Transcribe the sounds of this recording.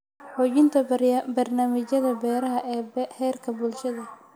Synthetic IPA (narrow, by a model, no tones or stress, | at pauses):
ħɔːt͡ʃɪnt̪ʰɐbɐrnaːmɪt͡ʃɐðɐbɛːɾɐɦɐʔɛːhɛːrkʰɐbʊlʃɐðɐ